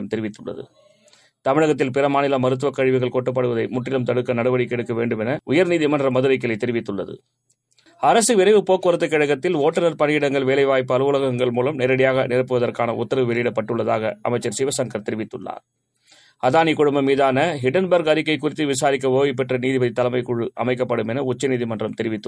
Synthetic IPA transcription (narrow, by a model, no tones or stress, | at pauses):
ɐmt̪ɛɾɪʋɪt̪ːɯɭːɐ̰ðɯ̰ | t̪ɐmɪɻɐɣɐt̪̬ːɪlpɪrɐmaːnɪlɐmɐɾɯt̪̬ːɯʋɐkːɐɻɪʋɪɣɐɭkɔʈːɯp̬ːɐɽɯʋɐðɐɪmʊʈːɪlɐmt̪ɐɽɯkːɐnɐɽɐʋɐɽɪkːɛɽɯkːɐʋeːɳɖɯmɛnɐʊjɐɾniːðimɐndrɐmɐðɯɾɐɪk̬ːɪlɐɪt̪ːɛɾɪʋɪt̪ːɯɭːɐðɯ̰ | ɐɾɐsɯʋɪɾɐɪʋɯpoːkːɯʋɐɾɐt̪ːɯkːɪɻɐɣɐt̪ːɪloːʈːɐnɐɾpɐnjɪɽɐŋɡɐɭʋeːlɐɪʋaːjpːɯɐlɯʋʊlɐɣɐɣɐŋɡɐɭmuːlɐmnɛːɾɐɽɪjaːɣɐnɪɾɐpːɯʋɐðɐrkaːnɐʊt̪ːɐɾɐʋɯʋɛɭɪjɪɽɐpːɐʈːɯɭːɐða̰ːɣɐʔɐ̰mɐɪt͡ʃːɐɾsɪʋɐsɐŋkɐɾt̪ɛɾɪʋɪt̪ːɯɭːa̰ːɾ | ɐðaːnikʊɽʊmbɐmiːðaːnɐɦɪʈɐnbɐɾɡɐɾɪkːɐɪkːʊrɪt̪ːɯʋɪsaːɾɪk̬ːɐʋoːʋɪp̬ːɛʈrɐniːðɪbɐðɪt̪ːɐlɐmɐɪkːʊɻɯʔɐ̰mɐɪkːɐpːɐɽɯmɛnɐʊt͡ʃːɐniːðimɐndrɐmt̪ɛɾɪʋɪt̪ːɯ